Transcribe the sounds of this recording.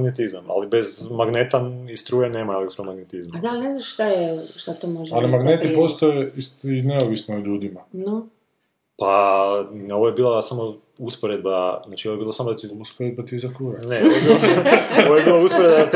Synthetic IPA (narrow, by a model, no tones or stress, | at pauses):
ɡnet̪izama̰libezmaɡnet̪aist̪ɾuːjeneːmaelek̚t̪ɾomaɡnet̪izmad̪aneznaʃt̪ajɛʃt̪at̪omoʒalimaɡnet̪ipo̞st̪ajeisineoʋisnooʎuːd̪imano | pano̞ʋojebiːlˠasamo | uspoɾed̪baznaːt͡ʃio̞ʋojeiːlˠasamod̪at̪iuspoɾed̪̚bat̪izakɾuːjanoeoeiooʋojebiːlˠauspoɾed̪bat̪